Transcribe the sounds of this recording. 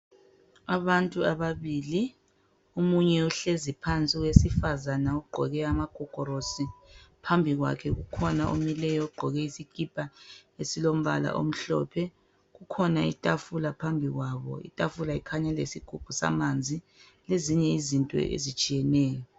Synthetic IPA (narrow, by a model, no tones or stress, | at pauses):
aβantʼuaβaβili | umuɲɛuɬezipʰant͡sʼiɣwesifazanauɡ͡ǃʱɔɣɛamaɡ̥ʱɔɡ̥ʱɔɾosipʰambʱiɣwa̰kʰɛɣukʰɔnaʔṵmilɛjɔɡ͡ǃʱɔɣɛisikʼipʼaesilom̩βa̰la̰ʔo̰m̩ɬɔ̰pʰɛ | ɣukʰɔnaḭtʼafulapʰambʱiɣwaːβɔ̰ḭtʼafulaikʰaɲɛlḛsiɡ̥ʱup̚ʰusa̰mand͡zʱi | leziɲɛizintʼɔ̰ʔḛzit͡ʃʼijɛnɛːjɔ